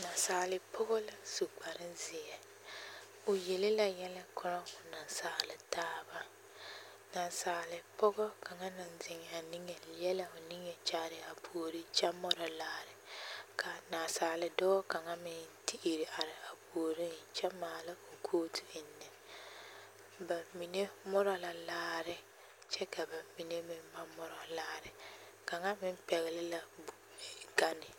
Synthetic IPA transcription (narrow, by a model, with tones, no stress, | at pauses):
na˨saː˨lɪ˨pʰʊ˦ɣɔ˦la˨su˨k͡pa˨ɾɪ˦nzɪ˨jɛ˦ | ʊ˨je˨lɪ˦la˨jɛ˦lɛ˦kʰʊ˦ɾɔ˦ŋʊ˨na˨nsaː˨lɪ˨taː˦ba˦ | na˨nsaː˨lɪ˨pʊ˦ɣɔ˦ka˨ŋa˦na˨nzɪ˨ŋɛ˨a˨ni˦ŋɛ˨˦ɛ˦la˦ʊ˨ni˦ŋɛ˨t͡ʃa˦ɾɪ˨a˨pʰu˨ɾi˦t͡ʃɛ˦mɔ˦ɾɔ˨laː˨ɾɪ˨ka˨naː˨saː˨˦lɪ˦dɔː˦ɔ˦ka˨ŋa˦mɪ˦nti˦ʔi˨ɾi˨ʔa˨ɾɪ˨a˨poː˨ɾi˦t͡ʃɛ˦maː˨lɪ˦o˨kʰoː˦tʰu˨ɪ˨nːɛ˨ | ba˨mi˨ne˦mɔ˦ɾɔ˨la˨laː˦ɾɪ˦ | t͡ʃɛ˦ka˨ba˨mi˨ne˦mɪ˦mba˦mɔ˦ɾɔ˨laː˦ɾɪ˨ | ka˨ŋa˦mɪ˦m˦pɛ˨ɣɪ˨lɪ˦la˨bu˨ɡa˦nɪ˨